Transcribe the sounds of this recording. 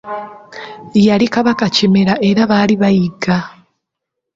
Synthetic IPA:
jalikaβakacimeɾaʔe̞ɾaβaliβajiɡa

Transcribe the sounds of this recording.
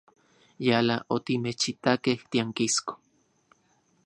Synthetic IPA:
jalaʔot̪imet͡ʃit̪akeht̪iaŋkisko̥

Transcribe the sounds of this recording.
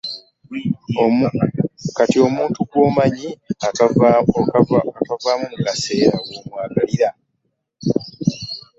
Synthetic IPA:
o | katio̞muːntuko̞ːmaɲia | akavaːmuŋukase̞ːɾaɡoːmwaːɡaliɾa

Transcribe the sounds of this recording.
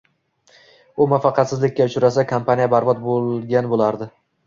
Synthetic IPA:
ʊmafɑqʰɑt̪sɪzlɪkʲːaʊt͡ʃʊɾasakʰampʰanijabaɾbɒt̪̚bolˠɡʲanbolaɾd̪ɪ

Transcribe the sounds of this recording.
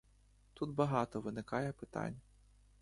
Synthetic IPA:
t̪ud̪bɐɦɑt̪ɔʋɪnɪkɑjɛpɪt̪ɑ̰nʲː

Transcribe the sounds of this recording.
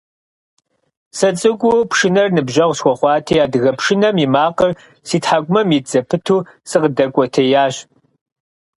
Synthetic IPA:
sɐt͡sʼɨɡʷʼʊpʰʂɨnɐrnɨbʒɐʁʷsxʷɔχʷɑːtʰɐjaːdɨɣɐpʂɪnɐmimaːqər | siːtħakʷʊmɐmid͡zɐpʰɨtʰuː | sɨqədɐkʷʼɔtʰɐjaːɕ

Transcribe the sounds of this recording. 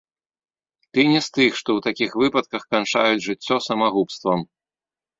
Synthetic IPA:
t̪ɨnʲɛst̪ɨxʂt̪ɔwt̪akʲixvɨpɐt̪̚kɐxkant͡ʂa̰jud͡zʲʐɨt͡sʲːɔsɐmaɣupst̪vɐm

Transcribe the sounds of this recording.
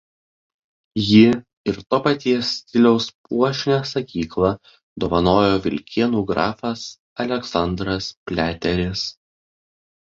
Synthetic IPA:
jɪ | ɪɾt̪oːpɐt̪ʲiɛsʲt̪ʲɪlʲɛʊspuɔʃʲnʲɛsɐkʲiːklˠɐ | d̪oːʋɐnoːjoːʋʲɪlʲkʲiɛnuːɡɾɑ̰ːfɐs | ɐlʲɛksɐnd̪ɾɐspʲlʲæːt̪ʲɛɾʲɪs

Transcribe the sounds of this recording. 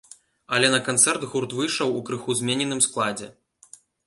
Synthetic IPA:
ɐlʲɛnɐkant̪sɛrt̪ɣurt̪vɨjʂɐwukɾɨxuzʲmʲɛnʲɛnɨmsklˠad͡zʲɛ̰

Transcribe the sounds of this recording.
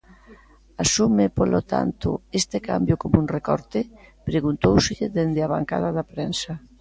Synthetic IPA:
asumepolot̪a̰nt̪ʊ̰est̪eka̰mbjokomunrekɔɾt̪epɾeɣunt̪owsɪʎeðend̪eaβaŋka̰ð̞aðapɾensa

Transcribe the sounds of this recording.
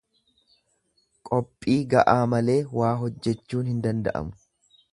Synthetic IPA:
kʼɔpʼːiːɡɐʔaːmɐle̞ːwaːɦɔd͡ʒːɛt͡ʃːuːnhɪnd̪ɐnd̪ɐ̰ʔɐ̰mʊ̥

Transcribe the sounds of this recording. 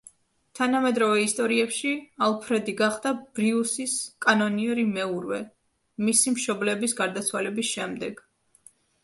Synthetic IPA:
t̪ʰanamɛd̪ɾɔvɛist̪ʼɔɾiɛpʃialˠpʰɾɛd̪iɡaχd̪ab̥ɾiusiskʼanɔniɛɾimɛuɾvɛ | misimʃɔblɛbisɡaɾd̪at̪sʰwalɛbisʃɛmd̪ɛɡ̥

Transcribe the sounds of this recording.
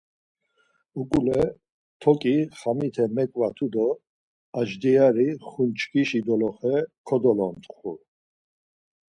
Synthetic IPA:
ukʼulɛ | t̪ʰɔkʼiχamit̪ʰɛmɛkʼvat̪ʰud̪ɔ | aʒd̪iaɾiχunt͡ʃʼkʰʼiʃid̪ɔlɔχɛkʰɔd̪ɔlɔnt̪χṵ

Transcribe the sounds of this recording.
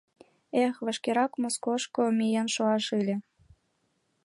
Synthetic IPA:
exβə̆ʃkeɾɑkmoskoʃkomijenʃoɑʃɯlʲĕ

